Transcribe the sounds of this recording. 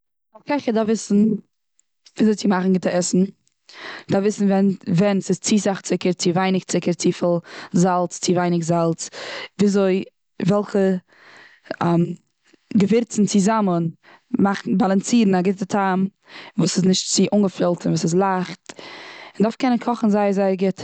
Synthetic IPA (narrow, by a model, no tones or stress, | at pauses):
ɔfkʰaɪχədafvɪsn̩ | viːzoɪt͡sɪmaχn̩ɡɪtəɛsn̩ | d̥afvɪsn̩vɛnvɛnsɪst͡siːzaχt͡sɪkəɾt͡sɪvaɪnɪkt͡sɪkəɾt͡sifɪlˠzalˠt͡st͡sivaɪnɪkzalˠt͡sviːzoɪ | vɛlˠχə | am | ɡəvɪɾt͡sn̩t͡sɪzamən | maχn̩balˠant͡siːɾn̩aɡɪtətʰam | vuːsɪsnɪʃtt͡sɪʔʊŋɡəfɪlˠtnvuːsɪs̬lˠaχtɪndafkɛnənkʰɔχn̩zaɪəzaɪəɾɡɪt